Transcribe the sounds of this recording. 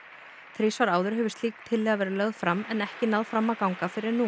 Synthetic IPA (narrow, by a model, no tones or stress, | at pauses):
θɾiːsvaɾaːwðʏɾ̥ɦɛvʏ̥st̪liːkt̪ʰɪlːɛːɣavɛːɾɪlœɣð̥fɾamːɛnɛhcɪnaðfɾamːawkawŋkafɪɾɪɾnu